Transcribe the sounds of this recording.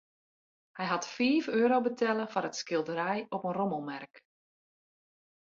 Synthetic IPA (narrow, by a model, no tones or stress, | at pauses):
hɛjɦɑtfiːføːɾowbətʰɛləfaɾətskɪlˠdəɾɛjɔpənroməlˠmɛrk